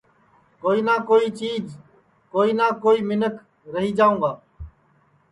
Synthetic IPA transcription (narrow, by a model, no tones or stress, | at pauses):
koːiːnaːkoːiːt͡ʃiːd͡ʒ | koːiːnãːkoːiːmɪnək | ɾəɦiːd͡ʒaːũːɡaː